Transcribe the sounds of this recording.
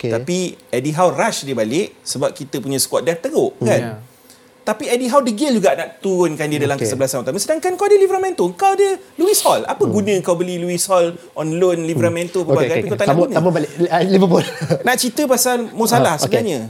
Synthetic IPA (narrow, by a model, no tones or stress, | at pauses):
kt̪apiɛdiɦawraʃdibalɪʔsəbap̚kit̪əpuɲãsə̥kwat̪̚dant̪əɾoʔkan | t̪apiɛdiɦawdəɡɪld͡ʒuɡaʔnaʔt̪uɾʊnkandiadalamkəsəbəlasanut̪aməsədaŋkanŋkawadəlivəɾamɛ̃nt̪oəŋkawadəluishɔla̰pəɡunə̃əŋkawbəliluishɔlʔɔnlonlivɾamɛ̃nt̪opəbaɡɡajpikot̪anaunaməbalɪlibəpʊlnaʔt͡ʃit̪əpasalmos̬alahsəəbənaɲə